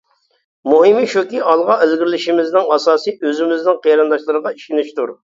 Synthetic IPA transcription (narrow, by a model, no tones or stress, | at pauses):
muɦimiʃukʲiɑlˠʁɑelɡʲɪɾɪlɪʃimɪznɪŋɑsɑːsiøzɪmɪznɪŋqʰeɾɨnd̪ɑʃlˠɨɾəʁɑiʃinɪʃt̪uɾ